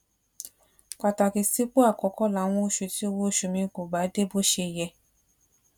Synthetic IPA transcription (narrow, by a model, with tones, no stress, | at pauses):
k͡pa˨ta˨ki˨si˨˦k͡po˦a˦˨kɔ˨˦kɔ˦la˨˦w̃ɔ̃˧o˧˦ʃu˨ti˨˦o˧wo˦˨ʃu˨mĩ˧˨ko˨ba˨˦de˦bo˦ʃe˧˨jɛ˧